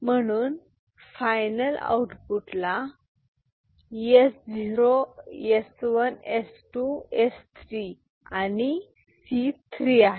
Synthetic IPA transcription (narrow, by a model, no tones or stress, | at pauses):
mənun | fajnəla̰wʈpuʈla | jesd͡ziɾojeswənesʈuest̪ʰɾi | ani | sit̪ʰɾia